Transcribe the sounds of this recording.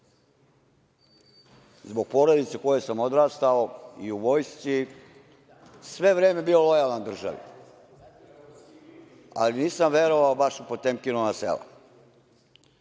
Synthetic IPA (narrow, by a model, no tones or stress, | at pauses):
zbo̞ɡ̚po̞ɾod̪it̪sekojesamo̞d̪ɾaːst̪ao̞iuʋo̞jst͡ʃ̪i | sʋe̞ʋɾe̞ːme̞bio̞lo̞jaland̪r̩ʒa̰ʋḭ | a̰liniːsamʋe̞ɾo̞ʋaobaʃupo̞t̪emkinonasḛla̰